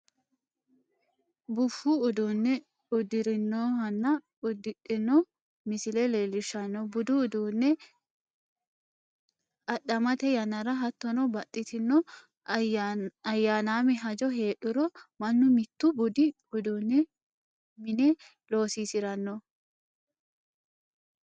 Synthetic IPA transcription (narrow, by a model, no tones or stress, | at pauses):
bʊfːuːd̪uːnːɛ | ʊd̪ɪɾɪnːoːhɐnːɐ | ʊd̪ɪᶑːɪnːɔ | mɪsɪlɛleːlɪʃːɐnːɔbʊd̪ʊːd̪uːnːɛ | ɐɗːɐmɐt̪ɛjɐnːɐɾɐɦɐt̪ːɔnɔbɐt̪ʼːɪt̪ɪnːɔ | ɐjːaːnaːmɪɦɐd͡ʒɔɦeːɗʊɾɔmɐnːʊmɪt̪ːʊbʊd̪ɪ | ʊd̪uːnːɛ | mɪnɛ | lo̞ːsiːsɪɾɐnːɔ